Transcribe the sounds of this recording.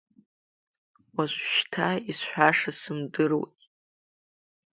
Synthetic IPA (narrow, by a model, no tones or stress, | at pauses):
waʃʷʃtʰaisħʷᶣaʂasɨmdɨrwḛtʼ